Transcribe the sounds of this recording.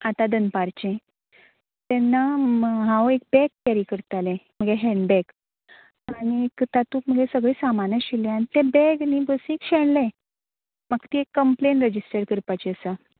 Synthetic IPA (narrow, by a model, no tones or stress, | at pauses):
at̪ad̪ənpaɾt͡ɕẽ | t̪ɛnːaɦãwek̚bɛkːaɾikəɾt̪alẽm̤əɡeɦɛ̃ɳɖbɛɡ | aɽ̃iekt̪at̪uːkm̤əɡesəɡɭiːsamanəɕilẽañit̪ebɛɡniːbəsĩːkɕeɽlẽ | maɡ̚t̪iekːəmplenɾəd͡ʑisʈəɾkəɾpat͡ɕiəsa